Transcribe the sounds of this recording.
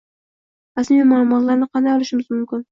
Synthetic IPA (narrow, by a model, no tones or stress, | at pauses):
ɾasmijmalˠʊmɒt̪laɾnɪqʰɑnd̪ajɒlˠɪʃɪmɪzmʊmkʲɪn